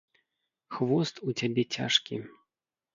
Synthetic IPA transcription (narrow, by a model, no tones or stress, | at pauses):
xvɔst̪ut͡sʲabʲɛt͡sʲa̰ʂkʲḭ